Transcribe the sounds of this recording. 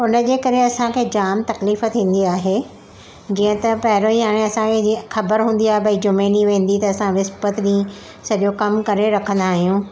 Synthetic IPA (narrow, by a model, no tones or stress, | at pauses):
ʊnəd͡ʑeːkɐɾeɐsãkʰeːd͡ʑaːmt̪ɐkliːfət̪ʰĩːn̆d̪iaːɦe | d͡ʑĩːə̃t̪ɐpɐɦɪɾõĩɦaːɽ̃ẽɐsãkʰexɐbəɾɦũːn̆d̪iaːɦebɐid͡ʑʊmeːniʋẽːn̆d̪it̪ɐːsãʋɪspət̪ɗĩː | sɐʄokɐmkɐɾeɾɐkʰə̃n̆d̪aːɦijũː